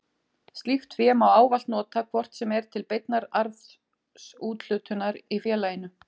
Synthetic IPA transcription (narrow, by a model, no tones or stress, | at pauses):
st̪lift̪fjɛmawaːwvalt̪nɔːt̪akʰvɔr̥t̪sɛmɛɾt̪ʰɪlpejt̪̚naɾaɾθ | suːt̪l̥ʏt̪ʰʏnaɾifjɛːlaːjɪnʏ